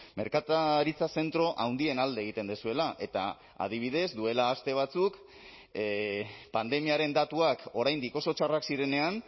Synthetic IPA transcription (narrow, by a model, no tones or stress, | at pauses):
me̞ɾkat̪aɾit͡sase̞nt̪ɾo̞ʔawnd̪ie̞nald̪eeɣ̞it̪e̞nd̪esue̞laʔe̞t̪a̰ | a̰ð̞iβ̞iðe̞zd̪ue̞laːst̪e̞β̞at͡suk | pand̪e̞miaɾe̞nd̪at̪uako̞ɾajnd̪iko̞so̞t͡ʃaraksiɾe̞ne̞an